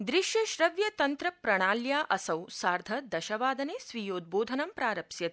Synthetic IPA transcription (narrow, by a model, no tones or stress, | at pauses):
d̪ɾiʃjɐʃɾɐʋjɐt̪ɐnt̪ɾɐpɾɐɳ̃aːljaːʔɐsɐwsaːɾd̪ʱɐd̪ɐʃɐʋaːd̪ɐneːsʋijoːd̪̚boːd̪ʱɐnɐmpɾaːɾɐpʃjɐt̪